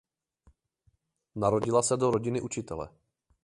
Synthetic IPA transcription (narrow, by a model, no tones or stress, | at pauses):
naɾo̞ɟɪlasɛdo̞ɾoɟɪnɪʔut͡ʃɪt̪ɛlɛ̰